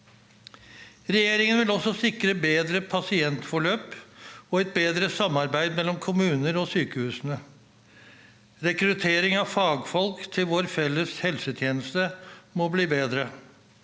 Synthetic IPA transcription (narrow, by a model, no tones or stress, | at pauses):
ɾɛjeːɾɪŋənʋɪlɔsːɔsɪkɾəbeːd̪ɾəpʰɑsɪɛnt̪fɔɭøːpɔɛt̪̚beːd̪ɾəsɑmːɑɾbæɪd̪mɛlːɔmkʰʊmʉːnəɾɔsyːkəhʉːsənə | ɾɛkɾʉt̪ʰeːɾɪŋɑʋfɑːɡfɔlkt̪ʰɪlʋoːɾfɛlːəshɛlsət̪ʰjeːnəst̪əmɔbliːbeːd̪ɾə